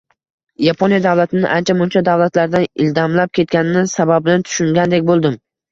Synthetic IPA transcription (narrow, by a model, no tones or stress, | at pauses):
japʰonjad̪avlˠat̪ʰɪnɪʔant͡ʃʰamʊnt͡ʃʰad̪avlˠat̪laɾd̪anɪld̪amlap̚kʲʰe̞t̪̚kʲanɪnɪsababɪnant̪ʰʊ̥ʃʊŋɡʲand̪ekʲbolˠd̪ɪm